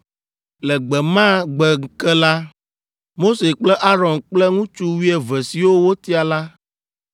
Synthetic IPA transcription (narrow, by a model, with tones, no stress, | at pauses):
lɛ˨ɡ͡bɛ˨mã˦ɡ͡bɛ˨ŋ̩˨kɛ˦la˦ | mo˦se˨k͡plɛ˦ʔa˦ɾɔ̃˨nk͡plɛ˦ŋũ˦t͡ʃu˦wi˦ɛ˨vɛ˨si˨wo˦wo˦t̪i˦a˨la˦